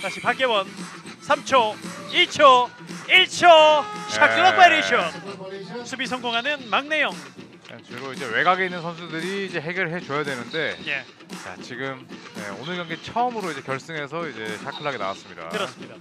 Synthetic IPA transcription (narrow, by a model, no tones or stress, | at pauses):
taɕʰipak͈ewʌn | sʰamt͡ɕʰoiɭt͡ɕʰo | iɭt͡ɕʰoɕʰakʰɯɭʌpeɾiɕʰʌnsʰubis̬ʰʌŋɡoŋɦanɯnmaŋne̞joŋ | at͡ɕɯɾoid͡ʑe̞we̞ɡaɡeinːɯnsʰʌnsʰudɯɾiːd͡ʑe̞ɦe̞ɡjʌɾɯɭɦe̞t͡ɕojadwenɯnde̞je̞ | t͡ɕa̰t͡ɕiɡɯmje̞̰onɯɭɡjʌŋɡet͡ɕʰʌʌmɯɾoid͡ʑe̞kjʌɭs͈ɯŋɦe̞sʰʌid͡ʑe̞ɕʰakʰɯɭɦaɡena̰wa̰s͈ɯmɲida̰kɯɾʌs͈ɯmɲida